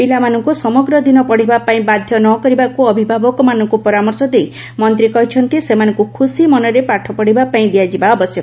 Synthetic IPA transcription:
bilamanɔŋkusɔmɔɡɾɔd̪inɔpɔɽ̤ibapaĩbad̪ʱjɔnɔkɔɾibakuɔbʱibʱabɔkɔmanɔŋkupɔɾamɔɾsɔd̪ej | mɔnt̪ɾikɔɦit͡ʃʰɔnt̪isemanɔŋkukʰusimɔnɔɾepaʈʰɔpɔɽibapaĩd̪iad͡ʒibaɔbɔsjɔk

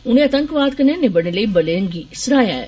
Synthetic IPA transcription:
ʊn̤ẽɐt̪ə̃ŋkʋaːd̪kɐnenebɐɽ̃eləibɐleəŋɡisɾaːjaɛ̰

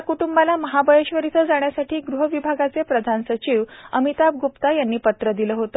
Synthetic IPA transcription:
kuʈumbalaməɦabʱəjeɕʋəɾit̪ʰəd͡zaɳ̃jasaʈiːɡɾuɦəʋibʱaɡat͡sepɾəd̪ʱansət͡ɕiːʋə̰mit̪ab̚ɡupt̪ajanːiːpət̪ɾəd̪iləːɦot̪ə

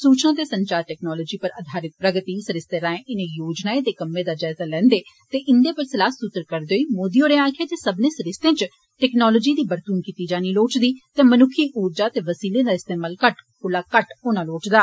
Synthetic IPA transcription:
suːt͡ʃnãːt̪eːsəɲt͡ʃaːɾʈɛːknaːlɔːd͡ʒiːpəɾəd̪ʱaːɾɪt̪̚pɾəɡət̪iːsəɾɪst̪eːɾãːẽɪnẽːjoːd͡ʒnaːed̪eːkəmːẽːd̪aːd͡ʒɛːzaːlɛ̃ːnd̪eːt̪eːʔɪnd̪eːpəlsɪlaːsut̪ɾkəɾd̪eoːiːmoːd̪ioːɾẽːãːkʰeːt̪eːsəbnẽːsəɾɪst̪ẽːt͡ʃ | ʈɛːknɔːloːd͡ʒiːd̪iːbəɾt̪uːnkiːt̪iːd͡ʒaːniːloːt͡ʃd̪iːt̪eːmənʊkʰːiːʔuːɾd͡ʒaːt̪eːʋəsiːlẽːd̪aːɪst̪eːmaːlkəʈkʊlaːkəʈʊnãːloːʈd̪aː

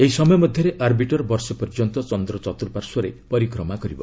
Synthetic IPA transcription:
eɦisɔmɔjɔmɔd̪ʱjɔɾeʔaɾbiʈɔɾbɔɾsɔpɔɾd͡ʒɔnt̪ɔt͡ʃɔnd̪ɾɔt͡ʃɔt̪uɾupaɾsɔɾepɔɾikɾɔmakɔɾibɔ̰

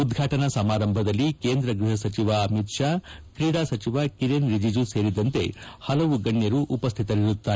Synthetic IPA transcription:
ud̪ɡʱaːʈɐnɐsɐmaːɾɐmbʱɐd̪ɐlːikeːnd̪ɾɐɡɾuɦɐsɐt͡ʃiʋaɐmit̪ʂaːkɾiɽaːsɐt͡ʃiʋakiɾenɾid͡ʒid͡ʒuse̞ːɾid̪ɐnt̪e̞hɐlɐʋuɡɐɳːjɐɾuʔupɐst̪ʰit̪ɐliɾut̪ːaːe

